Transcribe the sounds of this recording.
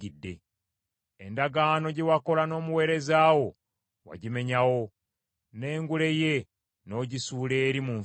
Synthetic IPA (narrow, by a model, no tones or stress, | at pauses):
idːe̞̰ | endaɡaːno̞ɟe̞wako̞lano̞ːmuwe̞ːɾe̞zaːwo̞ | wa̰ɟime̞ɲawo̞ | ne̞ːŋɡule̞je̞ | no̞ːɟisuːle̞ːɾimuɱ